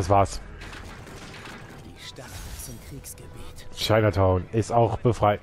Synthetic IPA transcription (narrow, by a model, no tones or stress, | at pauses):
asv̥aːɐs | ʃaɪnɐtʰaʊnɪstaʊxb̥əfʁ̥aɪ